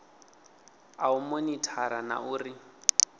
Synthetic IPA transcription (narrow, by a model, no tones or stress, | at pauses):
aumonitʰaɾana̰uːri